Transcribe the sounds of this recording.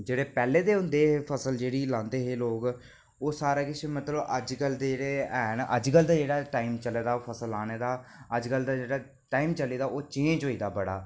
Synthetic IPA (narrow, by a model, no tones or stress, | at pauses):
d͡ʒeːɽeːpɛːleːd̪eːɦʊ̃nd̪eːpʰəsəld͡ʒeːɽiːlãːnd̪eːɦeːloːk | oːsaːɾaːkɪt͡ʃʰmət̪ləbəd͡ʒkəld̪ed͡ʒeːɽeːɛːnʔə̰d͡ʒkəld̪aːd͡ʒeːɽaːʈaːiːmt͡ʃəleːd̪aːpʰəsəlːaːneːd̪aːəd͡ʒkəld̪aːd͡ʒeːɽaː | ʈaːiːmt͡ʃəliːd̪aːʔoːt͡ʃiːd͡ʒɦoːiːd̪aːbəɽa̰ː